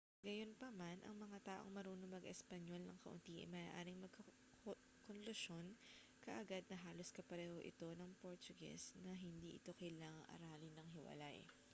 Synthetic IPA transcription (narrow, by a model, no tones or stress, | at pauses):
ɡɐjo̞npɐmanʔɐ̰ŋmɐŋat̪aːʔo̞̰ŋmɐɾuːnoŋmɐɡʔɛspɐɲo̞lnɐŋkɐʔʊ̰nt̪iːʔɐ̰mɐʔaːʔaːɾɪŋmɐɡ̚kɐ | konlʊʃo̞n | kɐʔɐɡad̪̚nɐɦaːlo̞skɐpɐɾɛːho̞ʔɪ̰t̪o̞nɐŋpo̞ɾt͡ʃ̪ʊɡɛ̰snɐɦɪnd̪iːʔɪt̪o̞kɐjlaːŋɐŋʔɐ̰ɾaːlɪnɐŋɦɪwɐ̰la̰j